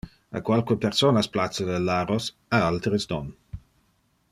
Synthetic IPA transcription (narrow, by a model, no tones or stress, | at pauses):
a̰kwalkuepɛʁsonasplat͡sːadɛlːaɾos | aalt̪ɾəsdɔn